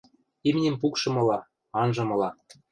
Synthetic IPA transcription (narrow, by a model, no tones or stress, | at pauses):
imnʲĕmpukʃɤ̆mɤ̆lɑ | ɑnʒɤ̆mɤ̆lɑ